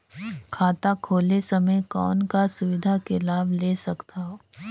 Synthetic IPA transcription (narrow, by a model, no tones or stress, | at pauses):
kʰaːt̪akʰoːlesɐməjkɔːnkasʊʋɪd̪ʱakelaːbleːsɐkt̪aːɦoː